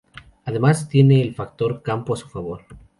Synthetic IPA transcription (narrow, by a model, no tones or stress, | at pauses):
aðe̞mast̪je̞ne̞ːlfakt̪o̞ɾkampoasu̥faβ̞o̞ɾ